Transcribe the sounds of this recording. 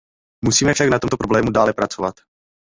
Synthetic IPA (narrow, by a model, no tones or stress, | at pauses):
musiːmɛfʃaknat̪o̞mt̪o̞pɾoblɛːmudaːlɛpɾat͡sovat̪